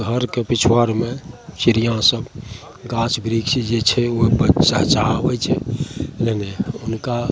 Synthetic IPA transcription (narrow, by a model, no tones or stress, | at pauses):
ɡʱəɾkepit͡ʃʰwaɾmesiɾijãsəb | ɡãt͡ʃbɾiksid͡ʒet͡ʃʰɛobət͡ʃaɦt͡ʃaabəjt͡ʃʰɛleneunka